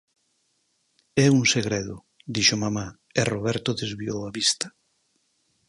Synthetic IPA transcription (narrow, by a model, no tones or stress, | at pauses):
ɛuŋseɣɾeðʊ | d̪iʃomama | eroβɛɾt̪ʊðezβiowaβist̪ḁ